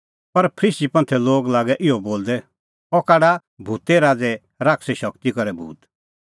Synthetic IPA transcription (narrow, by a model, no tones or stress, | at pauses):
pɐɾpʰɾiːsipɐ̃nt̪ʰɛloːɡlaːɡɛʔɪɔboːld̪ɛ | ɔkaːɽa | bʱut̪ɛɾaːd͡zɛ | ɾaːkʰsɛʃɐkt̪ikɔɾɛbʱṵːt̪